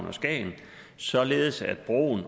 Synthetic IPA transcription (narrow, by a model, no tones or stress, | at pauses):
nɒ̽sɡ̥ɛ̰ːn̩ | sɒ̽le̝ːð̞̩ˠsæd̥̚b̥ʁo̝̰ːn